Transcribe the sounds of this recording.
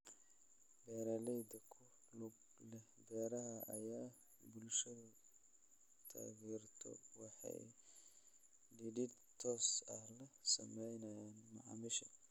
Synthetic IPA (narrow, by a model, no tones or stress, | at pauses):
bɛːɾɐlɛjd̪ɐkʰʊ | lʊɡ | lɛhbɛːɾɐɦɐʔɐjaː | bʊlʃɐðɐ | t̪ʰa̰ːɣɛːrt̪ʰɔ̰wɑħɑ̰j | ɖɪdɪd̪ | t̪ʰɔːsɐlɐsɐmɛjnɐjaːnmɑʕɑ̰mɪʃɐ̰